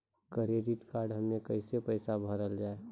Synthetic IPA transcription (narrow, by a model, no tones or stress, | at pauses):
kəɾeːɾiʈkaːɾɖɦəmnẽkəɪsepəɪsabʱəɾəld͡ʒaːe